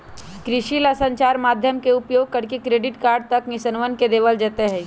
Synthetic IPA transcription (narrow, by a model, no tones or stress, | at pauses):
kɾɪʃilɐsə̃ɲt͡ʃaːɾmaːd̪ʱjəmkeʊpjoːɡ̚kɐɾkekɾeːɖɪʈkaːɾɖ̚t̪ɐknɪsənʋənked̪eːʋəld͡ʒɐt̪eɦɛ̃ː